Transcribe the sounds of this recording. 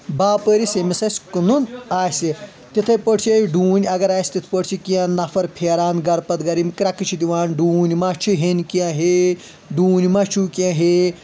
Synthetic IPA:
baːpəːɾisemisɐsʲkɨnunaːsi | t̪it̪ʰɐpəʈt͡ʃʰieɖuːnʲɐɡɐɾaːsʲt̪it̪ʰpəʈt͡ʃʰikiãnɐfʰɐɾpʰeːɾaːnɡɐɾpɐt̪ɡɐɾimkɾɐkɨt͡ʃʰid̪iʋaːnɖuːnʲmat͡ʃʰiɦenkiãɦe | ɖuːnʲimɐt͡ʃʰukʲãɦe

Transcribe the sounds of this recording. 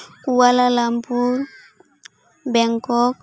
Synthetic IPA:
kuwalalambuɾ | bɛŋkɔk̚

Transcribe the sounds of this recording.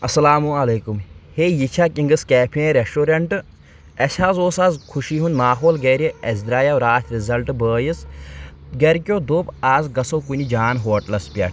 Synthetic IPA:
ɐsɐlaːmuɐleːkumheːjit͡ʃʰaːkiŋɡɨskɛːpʰiɾesʈuːɾɐɳʈɨ | ɐsʲaːzoːsaːzkʰuʃiːɦunmaːɦoːlɡɐːɾʲiɐzd̪ɾaːjaʋɾaːt̪ʲʰɾizɐlʈbəːjis | ɡɐɾkʲoːd̪oːpaːzɡɐsokunʲid͡ʒaːnɦoːʈlɐspʲɐ̰ʈʰ

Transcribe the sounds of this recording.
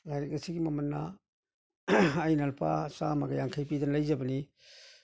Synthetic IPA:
ɡaɾik̚asiɡimɐmɐnːa | ajnalpʰa̰samaɡajaŋkʰajpidɐnlajzɐbɐni

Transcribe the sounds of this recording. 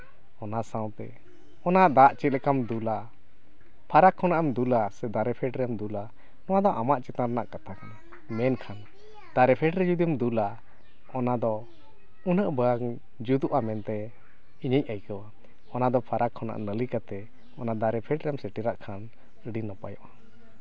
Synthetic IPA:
ɔnasãw̃t̪ɛ̰ | ɔnad̪aʔt͡ʃɛt̪̚lɛkamd̪ula | pʰaɾakʰːɔnaʔɛmd̪ulasɛd̪aɾɛpʰɛʈɾɛmd̪ula | nɔwad̪ɔʔamaʔt͡ʃɛt̪aɾnaʔkat̪ʰakana | mɛnkʰan | d̪aɾɛpʰɛʈɾɛd͡ʒud̪imd̪ula | ɔnad̪ɔ | unəʔbəŋ | d͡ʒud̪uʔamɛnt̪ɛ | iɲəc̚əjkəwa | ɔnad̪ɔpʰaɾʔakʰːɔna̰ʔnəlikat̪ɛ | ɔnad̪aɾɛpʰɛʈɾɛmsɛʈiɾaʔkʰan | ɖinɔpa̰jɔʔa

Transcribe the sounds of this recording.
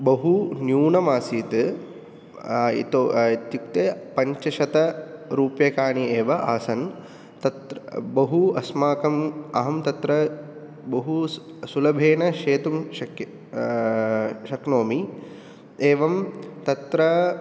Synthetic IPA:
bɐɦunjuːnɐmaːsiːt̪ɨ | ḭt̪oit̪jukt̪epɐɲt͡ʃɐʃɐt̪ɐɾuːpjɐkaːɳieːʋɐʔaːsɐn | t̪ɐt̪bɐɦuɐsmaːkɐmɐɦɐmt̪ɐt̪ɾɐ | bɐɦu | sulɐbʱeːnɐʃeːt̪umʃɐk | ʃɐknoːmi | eːʋɐmt̪ɐt̪ɾɐ

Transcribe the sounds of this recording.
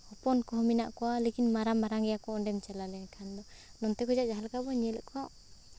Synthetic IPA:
hɔpɔnkɔɦɔmina̰ʔkɔwalekinmaɾamːaɾaŋɡɛjakɔɔɳɖɛmt͡ʃɛlalɛnɛkʰand̪ɔnɔnt̪ɛkɔd͡ʒaʔd͡ʒaɦalkabɔɲɛlɛkʰɔaʔ

